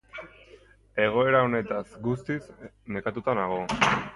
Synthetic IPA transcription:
e̞ɣ̞o̞e̞ɾao̞ne̞t̪asɡust̪ismekat̪ut̪anaɣ̞o̞

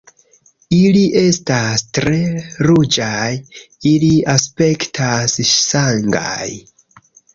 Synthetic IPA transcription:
iliʔe̞stastɾe̞ɾud͡ʒaj | iliaspe̞ktʰassaŋɡa̰j

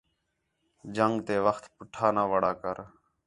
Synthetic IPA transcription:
d͡ʒəŋɡt̪eːʋəxt̪pʊʈʰaːnaːʋəːɽaːkəɾ

